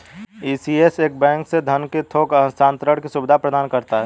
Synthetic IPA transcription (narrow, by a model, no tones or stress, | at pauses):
iːsieseːk̚bɛ̃ːŋksed̪ʱənket̪ʰoːkənsãːnt̪ɾəɽkisʊbɪd̪ʱapɾəd̪aːnkəɾt̪aɦɛː